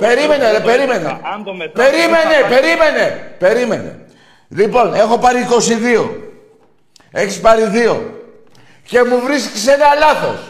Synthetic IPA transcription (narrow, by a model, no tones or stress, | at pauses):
peɾime̞neepe̞ɾime̞nḛpe̞ɾime̞ne̞pe̞ɾime̞ne̞pe̞ɾime̞̰ne̞̰ | lipo̞ne̞xo̞pɐɾiːko̞siðio̞̰ | e̞çispɐɾiðio̞̰ | ce̞muvɾiskesenɐlɐθo̞̰s